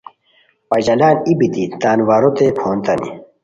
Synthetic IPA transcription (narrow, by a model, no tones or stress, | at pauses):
pɐd͡ʑɐlaːnibit̪it̪aːnwaːɾot̪epʰoːnt̪ɐnḭ